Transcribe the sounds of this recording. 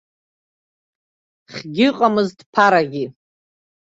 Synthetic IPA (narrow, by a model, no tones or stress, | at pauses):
χʲɡʲɪqʼamɨzdpʰaɾaɡʲi